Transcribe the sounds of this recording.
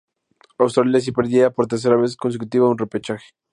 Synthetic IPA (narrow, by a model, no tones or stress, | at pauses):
awst̪ɾaljas̬ipeɾðjiapo̞ɾt̪eɾs̬e̞ɾaβe̞s̬kons̬ek̬ut̪iβaunrepet͡ʃaxe̥